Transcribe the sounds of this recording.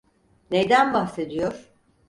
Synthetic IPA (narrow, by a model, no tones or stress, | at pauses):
nejd̪ænbaxse̞d̪ijoɾ̥